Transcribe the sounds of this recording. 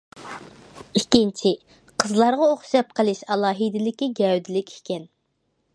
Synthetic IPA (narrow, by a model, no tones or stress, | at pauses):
ikʲint͡ʃʰi | qʰəzlˠɑɾʁɑoχʃɑp̚qʰəlˠɨʃɑlˠɑːɦid̪ɪlɪkʲiɡʲɛwd̪ɪlɪkʲi̥kʲɛn